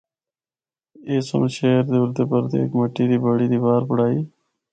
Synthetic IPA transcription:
eːso̰mʃeːɾd̪eʊɾd̪eːpəɾt̪ḛːkməʈiːd̪iːbəɽiːd̪iːbaːɾpʊɽaːiː

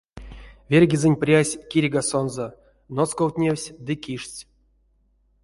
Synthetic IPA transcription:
vʲerʲɡʲizɨnʲprʲasʲkʲiɾʲiɡasonzo | noskowt̪ʲnʲewsʲd̪ɨkʲiʂt͡sʲ

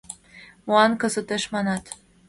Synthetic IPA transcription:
moɑnkɤ̆sə̆t̪eʃmɑnɑt̪

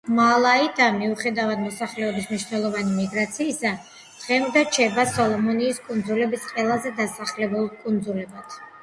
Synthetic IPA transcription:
malˠaid̪amiuχɛd̪avad̪mɔsaχlɛɔbismniʃnɛlˠɔvanimiɡɾat̪sʰiːsa | d̪̥ʁɛmd̪at͡ʃʰɛbasɔlˠɔmɔniːskʼund̪zulɛbisqʼɛlˠazɛd̪asaχlɛbulˠkʼund̪zulɛbat̪ʰ

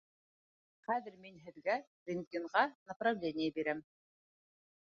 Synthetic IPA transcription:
χæðɘɾminɦɘ̆ðɡæɾʲɪnʲiɴʁɑnɐprɐvlʲenʲɪjəbiɾæm

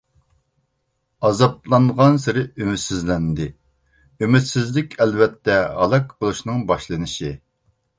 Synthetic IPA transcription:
ɑzɑp̚lˠɑnʁɑnsɪɾɪymyt̪sɪzlɛnd̪ɪ | ymyt̪sɪzlɪkʲʰɛlvɛt̪ʰːɛɑ̰lˠɑkbolˠuʃnɨŋbɑʃlˠɨnɪʃi

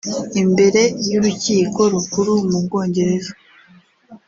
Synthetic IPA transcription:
imbe̞ɾe̞juɾuciːko̞ɾukuɾumub̚ɡo̞ːɲɟe̞ɾe̞ʒo

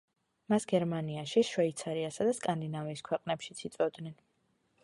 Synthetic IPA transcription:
masɡɛɾmaniaʃiʃwɛit̪sʰaɾiasad̪askʼand̪inaviːskʰwɛqʼnɛpʃit̪sʰit̪sʼɔd̪nɛn

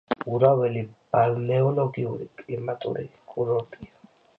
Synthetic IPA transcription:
uɾawɛlib̥alnɛɔlɔɡiuɾḭkʼlimat̪ʼṵɾḭkʼuɾɔt̪ʼia

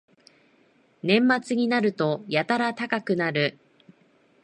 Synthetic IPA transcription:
nẽ̞mːat͡sɨɲ̟inaɾɯ̟t̪o̞jat̪aɾat̪akakɯ̟naɾɯ̟

